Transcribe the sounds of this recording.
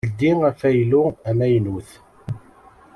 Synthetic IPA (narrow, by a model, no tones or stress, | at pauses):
ld̪iæfæjluæmæjnuθ